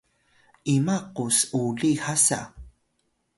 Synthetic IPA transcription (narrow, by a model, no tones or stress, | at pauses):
imaqusuɮihasa̰